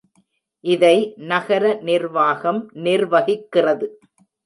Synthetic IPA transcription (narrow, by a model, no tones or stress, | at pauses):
ʔɪðɐɪnɐɣɐɾɐnɪɾʋaːɣɐmnɪrʋɐɣɪkːɪrɐðɯ